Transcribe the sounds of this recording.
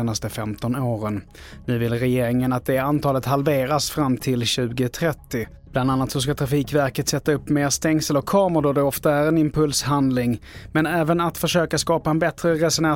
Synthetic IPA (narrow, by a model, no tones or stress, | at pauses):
nast̪əfɛmt̪ɔnoːɾən | nʉ̟ːvɪlɾɛjeːɾɪŋənat̪̚d̪ɛant̪ʰɑːlət̪halveːɾasfɾamːt̪ʰɪlɕʉ̟ːɡət̪ʰɾɛt̪ːɪ | b̥land̪anːat̪sɔskat̪ʰɾafiːkvæɾkət̪sɛt̪ːaɵpːmeːʂt̪ɛŋsəlɔkʰɑːməd̪ɔd̪ɛɔft̪aæɾɛnɪmpʰɵlsɦand̪lɪŋmɛnɛːvənat̪fœʂøːkaskɑːpaɛnbɛt̪ɾəɾɛsɔna